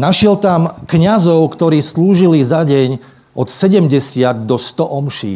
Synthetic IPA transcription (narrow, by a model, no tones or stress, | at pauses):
naʃɪɛlt̪amkɲazɔʊkt̪ɔɾiːsluːʒilizaɟɛɲ | ʔɔt̪sɛɟɛmɟɛsɪad̪̚ːɔst̪ɔʔɔmʃḭː